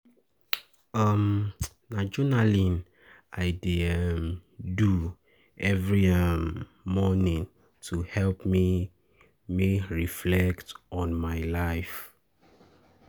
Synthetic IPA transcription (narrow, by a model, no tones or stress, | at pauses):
ʌm | nad͡ʒɔnalin | aɪdimdu | ɛvɹiʌ | mɔnĩŋ | tʰuhɛlpmi | miɹiflɛktɔ̃nmaɪlaɪf